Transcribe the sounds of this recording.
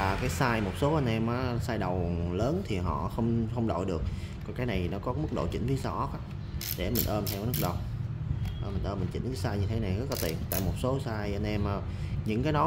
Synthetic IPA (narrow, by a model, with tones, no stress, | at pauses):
aː˨˩kaː˨˦jsaː˧jmo˨˩t̚so˨˦ʔa˧nʔɛ˧mʔaː˨˦saː˧jɗə˨˩wləː˨˦nt̪ʰi˨˩ɦɔ̰˧˨xə˧wŋ͡mxə˧wŋ͡mɗo̰˧˨jɗɨ˨˩ək̚ː | ɔ˧nkaː˨˦jna˨˩jtnɔ˨˦kɔ˨˦mɨ˦˥k̚ɗo̰˧˨t͡ɕï˧˥ŋ̟fʰi˨˦sa˧ʔɔ˦˥k̚aː˨˦ | ɗḛ˧˩mï˨˩ŋ̟ʔəː˧mt̪ʰɛ˧wa˨˦nɨ˦˥k̚ɗə˨˩wŋ͡m | mï̟˨˩ʔəː˧mï˨˩ŋ̟t͡ɕḭ˧˥t̪ʰi˨˦saː˧jɲɨ˧t̪ʰe˨˦na˨˩jɣə˦˥t̚la˨˩t̪i˨˩ənt̪a̰ː˧˨jmo˨˩t̚so˨˦saː˧jʔa˧nʔɛ˧mʔ | ɲɨ̰˧˥ŋkaː˨˦ɗɔ˨˦